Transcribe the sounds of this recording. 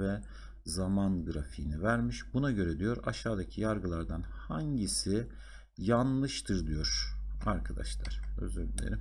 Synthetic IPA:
vɛ | zamanɡɯɾafiːnivæɾmiʃbunaɟø̞ɾɛd̪ijo̞ɾaʃaːd̪acʰijaɾɡɯlˠaɾd̪anhaɲɟisɪ | janlˠɯʃt̪ʰɯɾd̪ijo̞ɾ̥a̰ɾkʰad̪a̰ʃlˠa̰ɾ̥ø̰zølʲḛɾi

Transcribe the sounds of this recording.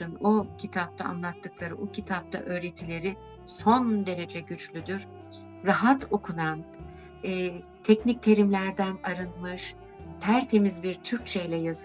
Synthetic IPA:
ɯnocʰit̪ʰap̚t̪ʰa̰ːnlˠat̪ʰːɯklˠaɾɯbocʰit̪ʰap̚t̪ʰa̰ʔø̞ːɾe̞t̪ʰilʲe̞ɾi | so̞nd̪e̞ɾe̞d͡ʒɛɟyt͡ʃlʲyd̪yɾ̥ | ɾaɦat̪ʰo̞kʰunan | ɛː | t̪ʰɛcnic̚t̪ʰe̞ɾimlʲæɾd̪ænaɾɯnmɯʃ | pʰæɾt̪ʰe̞mizbiɾt̪ʰyɾc̚ʲt͡ʃʰejlʲɛjaz

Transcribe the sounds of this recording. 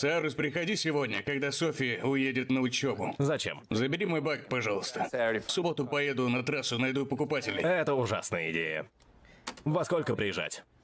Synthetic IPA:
saɾʊsʲpɾʲɪxɐdʲisʲɪvodʲnʲəkɐɡd̪asofʲɪʊjedʲɪt̪nəʊt͡ɕebʊzɐt͡ɕḛmzəbʲɪɾʲimo̞jbakpɐʐalˠəst̪əfsʊbot̪ʊpɐjed̪ʊnɐt̪ɾasʊnɐjd̪upəkʊpatʲɪlʲɪ̰jɛt̪əʊʐa̰snəjəɪdʲḛjə̰ | vɐskolʲkəpɾʲɪjɪʐa̰tʲ

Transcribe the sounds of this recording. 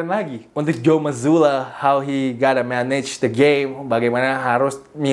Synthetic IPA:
nlaɡiunt̪ʊk̚d͡ʒoməzulahawɦiɡaɾəmɛnɪd͡ʒd̪əɡẽmbaɡajmanaɦaɾʊsmi

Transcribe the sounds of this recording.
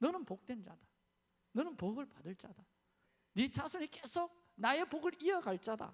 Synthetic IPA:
nʌnɯnpok̚t͈wend͡ʑad̥a | nʌnɯnpoɡɯɭpadɯɭt͡ɕ͈ad̥a | nit͡ɕasʰunik͈esʰok̚ | naepoɡɯɾiʌɡaɭt͡ɕ͈ada̰

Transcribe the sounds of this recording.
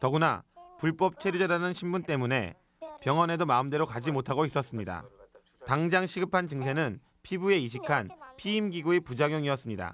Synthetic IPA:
tʌɡuna̰puɭp͈ʌp̚t͡ɕʰeɾud͡ʑʌɾanɯnɕʰimbunt͈e̞mune̞̰ | pjʌŋʌne̞domaɯmde̞ɾokad͡ʑimotʰaɡois͈ʌs͈ɯmɲida̰ | taŋd͡ʑaŋɕʰiɡɯpʰant͡ɕɯŋsʰe̞nɯn | pʰibue̞iɕ̬ʰikʰanpʰiːmɡiɡuepud͡ʑaɡjoŋiʌs͈ɯmɲida̰

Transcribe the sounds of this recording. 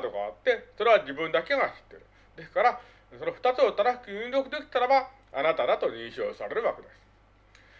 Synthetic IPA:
d̪o̞ɡa̰ːt̪ːe̞so̞ɾe̞βaʑibɯ̟̃nd̪ake̞ɡaçi̥t̪ːe̞ɾɯ̟ | d̪e̞skaɾa | so̞no̞ɸɯ̟̥t̪at͡sɨot̪anaɕi̥kiɲĩnd̪o̞kɯ̟d̪e̞kʲi̥t̪aɾaba | a̰nat̪ad̪at̪o̞ɲ̟ĩɰɕo̞̰ːsaɾe̞ɾɯ̟βake̞d̪e̞sɨ̥

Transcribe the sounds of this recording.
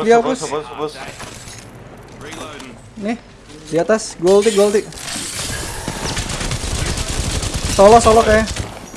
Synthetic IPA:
diapʊs | nɛh | diat̪asɡɔlt̪iɡɔlt̪ɪʔ | sɔlɔhsɔlɔkaja

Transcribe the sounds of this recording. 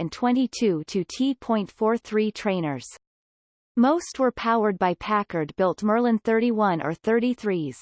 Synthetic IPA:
ɨ̃ntʰw̥ɛ̃ntitʰʉɾɨtʰipʰɔ̃ɪ̃ntfɔɹθɹitʰɹ̥ẽɪ̃nə˞z̥ | moʊst̚wə˞pʰaʊə˞d̚baɪpʰækə˞d̚bɪlˠtmɜ˞lˠɨ̃nθɜ˞ɾiwʌ̃nʔə̰˞θɜ˞ɾiθɹiz̥

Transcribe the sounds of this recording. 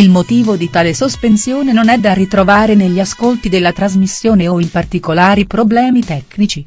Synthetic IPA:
ilmot̪iːvod̪it̪aːlesospensjoːnenonɛd̪ːarit̪ɾovaːɾeneʎːiaskolt̪id̪elːat̪ɾazmisːjoːneoimpart̪ikolaːɾipɾoblɛːmit̪ɛknit͡ʃi

